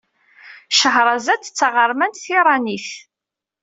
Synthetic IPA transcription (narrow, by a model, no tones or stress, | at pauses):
ʃəɦɾˤɑzæt͡sːə̥t͡sːəʁəɾˤmænt̪θiɾˤɑniθ